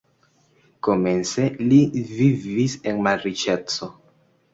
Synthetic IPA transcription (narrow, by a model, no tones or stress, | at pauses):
ko̞me̞nselivivisenmaɾit͡ʃet͡so